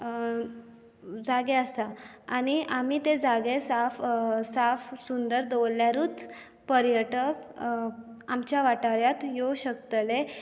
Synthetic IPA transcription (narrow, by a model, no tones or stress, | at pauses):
d͡zaɡẽəst̪aañiʔam̤it̪ed͡zaɡesafsafsund̪əɾd̪owljaɾuːt͡s | pəɾjəʈək | amt͡ɕjaʋaʈaɾjat̪joɕəkt̪le